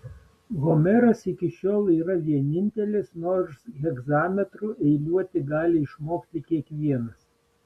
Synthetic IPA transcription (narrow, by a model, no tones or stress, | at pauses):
ɣomʲɛɾɐsɪkʲɪʃʲoːlˠiːɾɐʋʲiɛnʲɪnʲt̪ʲɛlʲɪsnoːɾsɣʲɛɡzɑːmʲɛt̪ɾuʔɛɪlʲuɔt̪ʲɪɡɑːlʲɪɪʃmoːkt̪ʲɪkʲiɛkʋʲiɛnɐs